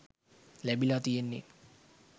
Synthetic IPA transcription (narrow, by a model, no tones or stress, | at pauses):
læbilat̪ijenːe